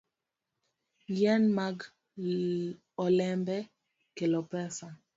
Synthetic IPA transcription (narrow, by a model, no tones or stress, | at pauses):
jɛnmaɡ | ɔlɛmbɛ | kelɔpɛsa